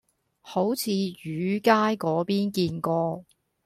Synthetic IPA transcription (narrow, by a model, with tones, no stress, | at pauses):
ho˨˥wt͡sʰiː˨˧jyː˨˧˥kaː˥jkɔː˨˥piː˥nkiː˧nkɔː˧